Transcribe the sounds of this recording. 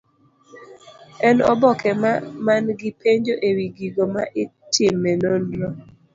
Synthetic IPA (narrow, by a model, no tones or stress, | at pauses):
ɛnɔ̰bɔkʰɛmamanɡɪpʰeɲd͡ʒoʔewiɡiɡomaʔɪtʰɪmːenonːɔ